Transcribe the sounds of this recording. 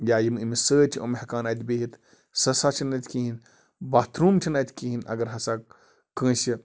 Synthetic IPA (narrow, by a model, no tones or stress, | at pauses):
jaːjimimisəːt͡ʃʰiʔo̰mhɐkaːnaːt̪beːɦit̪ | sɐsaːt͡ʃʰɐnɐt̪ʲkiːɦin | bat̪ʰɾuːmt͡ʃʰɐnat̪ʰʲkiɦinɐ̰ɡɐɾɦɐsaː | kə̃ːsɐ